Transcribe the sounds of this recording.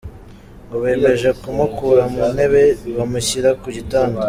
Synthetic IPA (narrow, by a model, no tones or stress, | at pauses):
ŋoβe̞ːme̞ʒekumukuɾamune̞βeβamuçiɾakuɟitaːndo